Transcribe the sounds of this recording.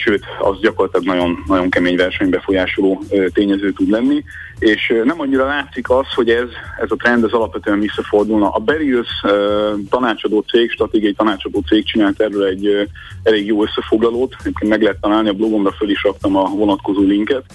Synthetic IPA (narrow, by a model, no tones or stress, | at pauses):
ʃøːt̪ɒ̰zɟɒkorlɒt̪lɒɡnɒɟo̞nːɒɟo̞ŋkɛmeːɲvɛrʃɛɲbɛfo̞jaːʃo̞loːøt̪eːɲɛzøːt̪ud̪lɛnːieːʃnɛmɒɲːiɾɒlaːt̪sikɒsho̞ɟɛzɛzɒt̪ɾɛnd̪ɛzɒlɒpʋɛt̪øɛnvisːɒfo̞rd̪ulnɒʔɒbɛɾisøt̪ɒnaːt͡ʃɒd̪oːt̪seːkʃt̪rɒt̪eːɡiɒit̪ɒnaːt͡ʃɒd̪oːt̪seːk̚t͡ʃinaːlt̪ɛrːølɛɟː | ɛleːɡjoːø̞sːɛfo̞ɡlɒloːt̪ɛɟeːp̚kent̪mɛɡlɛɦɛt̪ːɒnaːlniɒblo̞ɡo̞mrɒføliʃrɒkt̪ɒmɒvo̞nɒt̪ko̞zoːliŋkɛt̪